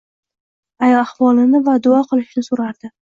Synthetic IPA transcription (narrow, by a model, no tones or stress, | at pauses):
ajɒahvɒlˠɪnɪvad̪ʊɒqʰɨlˠɪʃnɪsoɾaɾd̪̥ɪ